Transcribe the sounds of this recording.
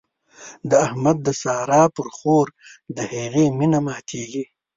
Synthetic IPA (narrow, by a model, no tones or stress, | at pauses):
d̪əahmad̪̚ːəsɑːɾɑːpəɾxoːɾd̪əheɣeminamɑːt̪ʰeɡi